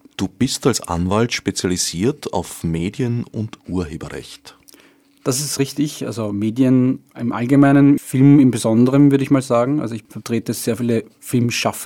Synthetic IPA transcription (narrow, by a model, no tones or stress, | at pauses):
d̥uːb̥ɪstalsʔa̰nvaltʃpet͡sjaliziːɐtʰa̰ʊfmeːdjənʊntʔuːɐɦeːbɐʁɛ̰çt | d̥as̬ɪstʁɪçtɪçʔa̰lzomeːdjənɪmʔa̰lɡəmæɪnənfɪlmɪmbəzɔndəʁənvʏɐdəɪçmaːlzaːɡŋ̩ʔa̰lzoɪçfɛɐtʁ̥eːtəz̥eːɐfiːlə | fɪlmʃaf